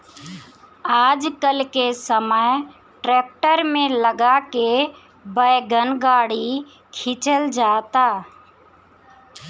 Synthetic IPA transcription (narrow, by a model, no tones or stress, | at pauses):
aːd͡ʒkəlkesəməj | ʈɾeːk̚ʈəɾmẽləɡake | bəjɡənɡaːɽi | kʰɪt͡ʃəld͡ʒaːt̪aː